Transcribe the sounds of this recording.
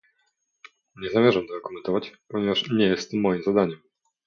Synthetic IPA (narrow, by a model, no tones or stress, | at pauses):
ɲɛzamʲjɛʐamt̪ɔakɔmɛnt̪ɔvat͡ɕpɔɲɛvaʂɲɛjɛst̪mːɔjimzad̪aɲɛm